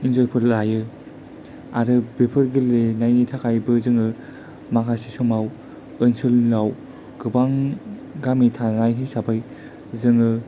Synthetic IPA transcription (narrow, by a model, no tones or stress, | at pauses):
inzojpʰɯllajɯ | aɾɯbepʰɯɾɡilenajnitʰakʰajbɯzɯŋɯ | makʰasisɔmaw | ɯnsɯlnaw | ɡ̥ɯbaŋɡamitʰanajɦisabʰaj | zɯŋɯ